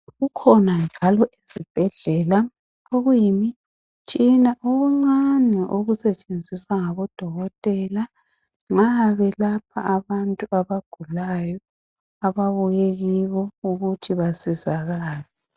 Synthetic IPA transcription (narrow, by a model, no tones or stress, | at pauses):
ɣukʰɔnand͡ʒʱalɔʔizib̥ʱɛɮɛːla | oɣwujimi | t͡ʃʼinaʔoɣuŋ͡ǀanɛʔoɣusɛt͡ʃʼend͡zʱiswaŋaβɔd̥ʱɔɣɔtʼɛla | ŋaβɛlapʰa̰ʔaβantʼuʔaβaɡ̥ʱulajɔ | aβaβujeɣiβɔuɣutʰiβasizaɣaːla